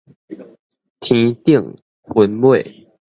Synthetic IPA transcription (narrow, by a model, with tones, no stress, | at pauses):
t̪ʰi˨˦t̪i˥˨˩ŋ | xə˨˦nwe˥˨ɪ